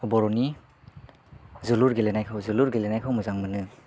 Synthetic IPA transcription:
ɔbɔɾɔni | zuluɾɡelenajkʰɯwzuluɾɡelenajkʰawmɯzaŋmɯnɯ

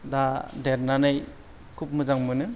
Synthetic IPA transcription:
dadeɾnanɯj | kʰup̚mɯd͡ʒaŋmɯnɯ

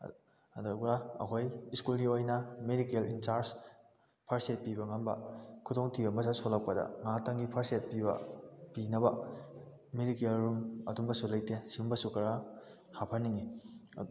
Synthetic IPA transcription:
ɐdoɡaɐ̰kʰojiskulɡiojnɐmedikelint͡ʃaɾs | pʰaɾset̚pibɐŋambɐ̰kʰutoŋtʰibɐmɐsasolɐk̚pɐdɐ̰ŋataŋɡipʰaɾset̚pibɐ̰pinɐbɐ | medikelɾumɐtumbɐsulɐjtesiumbɐsukɐɾa | hapʰɐnːiŋi

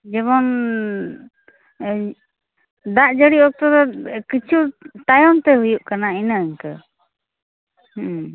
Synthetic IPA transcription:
d͡ʒɛβɔn | d̪aʔd͡ʒəɽiɔk̚t̪ɔd̪ɔkit͡ʃʰut̪ajɔnt̪ɛɦujuʔkanainəəɲkə | h

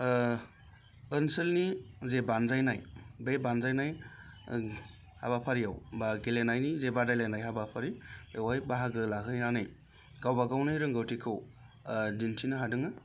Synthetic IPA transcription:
ɯnsɯlnizebanzajnajbebanzajnaj | ha̰bapʰaɾijawbaɡelenajnizebadajlenajɦabapʰaɾiewajbaɦaɡɯlakɯjɾanɯj | ɡawbaɡawnɯjɾɯŋɡɯwtikʰɯw | dintʰinɯɦadɯŋɯ

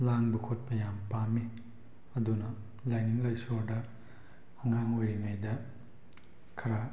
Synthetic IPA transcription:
laŋbukʰot̚pɐjampami | ɐdunɐ | lajniŋlajsoɾdɐ | hɐŋaŋojɾiŋajdɐ | kʰɐɾa

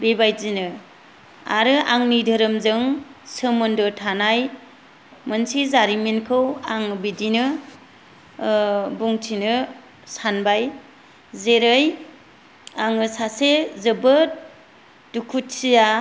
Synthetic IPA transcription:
bebajzinɯ | a̰ɾɯaŋnidʱɯɾɯmzɯŋsɯmɯndɯtʰanaj | mənsizaɾiminkʰɯwaŋbidinɯ | buŋtʰinɯ | sanbaj | zeɾɯj | aŋɯsasezɯbɯt̚ | dukʰut̚sija

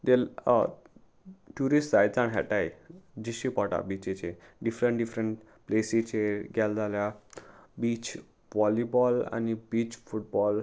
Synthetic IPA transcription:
d̪el | ʈjuɾisʈd͡zajt͡sãnɦɛʈajd͡ʑiɕipɔʈa̰bit͡ɕet͡ɕeɖifɾəɳʈɖifɾəɳʈ | plesit͡ɕeɡjald͡zaljabit͡ɕ | ʋɔlibɔla̰nibit͡ɕfuʈ̚bɔl

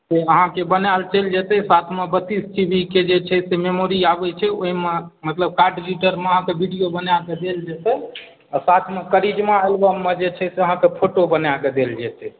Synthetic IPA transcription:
seəɦãkebənjalt͡ʃeld͡ʒet̪ɛsat̪ʰmebət̪ːisʈibʱiked͡ʒet͡ʃʰɛsememoɾiabɛt͡ʃʰɛoɦimemət̪ləb̚kaɾɖid͡ʒiʈəɾmeəɦãkebʱiɖijobənjaked̪eld͡ʒet̪ɛ | asat̪ʰmekəɾid͡ʒmaəlbəmːed͡ʒet͡ʃʰɛseəɦãkepʰoʈobənjaked̪eld͡ʒɛt̪ɛ

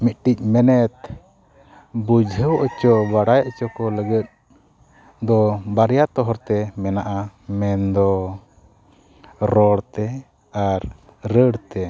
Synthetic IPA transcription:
mit̪̚ʈic̚ˀmɛnɛt̪ | bud͡ʒʱɦəwʔɔt͡ʃɔbaɽajaʔt͡ʃɔkɔləɡət̪̚ | d̪ɔbaɾjat̪ɔɦɔɾt̪ɛmɛnaʔamɛnd̪ɔ | ɾɔɽt̪ɛ | aɾ | ɾəɽt̪ɛ

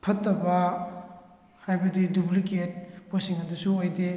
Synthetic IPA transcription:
pʰɐtːɐbɐ | hajbɐdidupliket̚posiŋnɐdɐsuojde

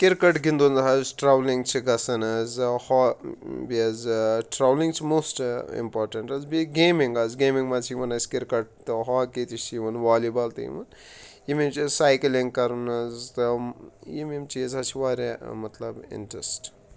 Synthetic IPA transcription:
kiɾkɐʈɡind̪und̪ɐɦɐzʈɾɐʋlĩŋɡt͡ʃʰiɡɐsɐnɐzhɔbiɐzʈɾɐʋliŋɡt͡ʃʰimoːsʈḭmpɔːɾʈɐɳʈɐzbiɡeːmiŋɡɐzɡeːmĩŋɡmɐt͡ʃʰijiʋɐnɐsʲkiɾkɐʈ̚t̪ɨɦɔːket̪it͡ʃjiʋɐnʋaːlibɐlt̪ɐjḭʋɐn | jimemt͡ʃizsaːjklĩŋɡkɐɾunɐzt̪ɨjimimt͡ʃiizɐt͡ʃʰiʋaːɾmɐt̪lɐbḭɳʈɾɐsʈ

